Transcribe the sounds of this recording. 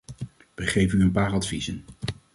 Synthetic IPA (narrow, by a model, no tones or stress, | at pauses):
ʋəχejvənyənpaːrɑtfizən